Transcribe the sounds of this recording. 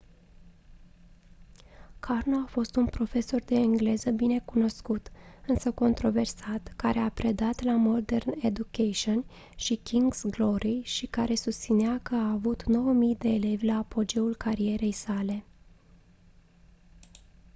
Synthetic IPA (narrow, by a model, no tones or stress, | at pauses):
kʰarno̞afo̞st̪unpɾo̞fe̞so̞rd̪e̞ɨŋɡle̞zəbine̞kuno̞skut̪ɨnsəko̞nt̪ɾo̞ve̞rsat̪kaɾe̞apɾe̞d̪at̪lamo̞d̪e̞rne̞d̪ukeʃion | ʃikʲiŋɡzɡlo̞ɾiʃikaɾe̞sust̪sineakəaːvut̪no̞wəmijd̪e̞ːle̞vʲlaːpo̞d͡ʒe̞ulkaɾie̞ɾe̞jsale̞